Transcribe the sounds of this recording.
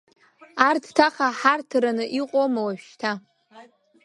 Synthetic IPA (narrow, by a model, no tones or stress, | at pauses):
artʰtʰaχaħartʰranɨʔiqʷʼomawaʃtʰa